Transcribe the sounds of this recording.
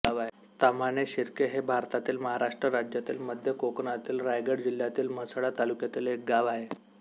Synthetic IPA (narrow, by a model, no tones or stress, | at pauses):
aʋaɦe | t̪amaneɕiɾkeɦebʱaɾt̪at̪iːlməɦaɾaʂʈɾəɾad͡ʑjat̪iːlməd̪ʱjəkokɳat̪iːlɾajɡəɽd͡ʑil̤jat̪iːlm̤əsɽat̪alukjat̪iːlek̚ɡaʋaɦe